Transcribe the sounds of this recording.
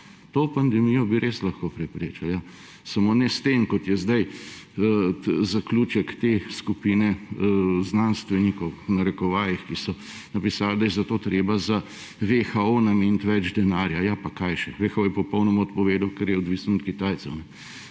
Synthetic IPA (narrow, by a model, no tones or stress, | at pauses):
t̪opand̪ɛmijɔbiɾʔeslɐxkopɾɛpɾeːt͡ʃalja | sɐmoːnɛst̪eːmkɔt̪jɛzd̪ɐj | zakluːt͡ʃɛkt̪eskupiːnɛ | znanst̪ʋɛnikɔwnɐɾɛkɔʋaːjixkisɔ | nɐpisaːld̪ajɛzɐt̪oːt̪ɾeːbaza | ʋexaonameːnt̪ʋɛd͡ʒd̪ɛnaːɾjajapakajʃɛʋexaojɛpɔpɔwnɔmaɔt̪̚pɔʋeːd̪awkɛɾjɛɔd̪ʋisnɔɔt̪kit̪aːjt̪sɛwnɛ